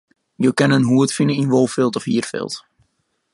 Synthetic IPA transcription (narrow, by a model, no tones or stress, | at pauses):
joːkɛnənɦuətfinəinʋolˠfɪlˠtɔfhiːərfɪ̰lˠt